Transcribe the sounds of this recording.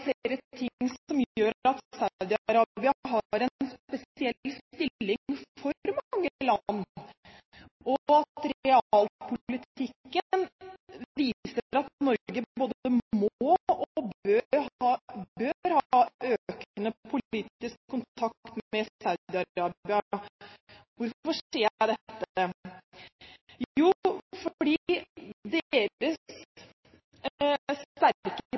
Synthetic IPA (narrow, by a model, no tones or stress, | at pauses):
fleːɾət̪ʰɪŋːsɔmjøːɾɑt̪sad̪ɪɑɾɑːbɪɑɦɑɾɛnspɛsɪɛlːst̪ɪːɪŋfɔɾmɑŋːəlɑnː | ʔɔɑt̪ɾɛɑːlpʰʊlɪt̪ɪkːə | ʋiːsəɾɑt̪̚nɔɾɡəboːd̪əmmoːɔbøːɾhɑːbøːɾhɑːʔøːkənəpʰʊliːt̪ɪskʰːʊnt̪ʰɑkt̪mɛsaʉd̪ɪɑɾɑːbɪɑ | ʋʊɾfɔʂeːd̪ɛt̪ːə | juːfɔɖiːd̪eːɾəs | sæɾkə